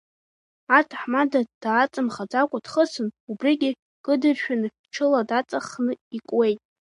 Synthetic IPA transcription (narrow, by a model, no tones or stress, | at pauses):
artʰaħmadad̥aːt͡sʼɨmχad͡zakʷʼadχəsɨnubriɡʲi | kʼɨdɨrʃᶣan | ʈ͡ʂʰɨladat͡sʼaχnɨikʷʼwe̞jtʼ